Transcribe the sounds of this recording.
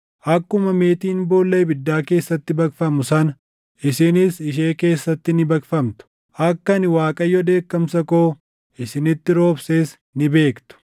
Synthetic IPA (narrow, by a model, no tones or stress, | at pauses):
ʔɐkːʊmɐme̞ːt̪iːnbo̞ːlːɐjbɪd̪ːaːke̞ːsːɐt̪ːɪbɐkfɐmʊsɐn | ɪsɪnɪsɪʃe̞ːke̞ːsːɐt̪ːɪnɪbɐkfɐmt̪ʊ̥ | ʔɐkːɐnɪwaːkʼɐjːɔd̪e̞ːkːɐmsɐkoː | ɪsɪnɪt̪ːɪɾo̞ːbseːs | nɪbe̞ːkt̪ʊ̥